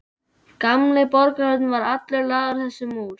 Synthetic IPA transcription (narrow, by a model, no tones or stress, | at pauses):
kamlɪpɔɾkaœt̪nvaɾat̪lɛɾlaːɣaɾ̥θɛsːʏmuːɾ̥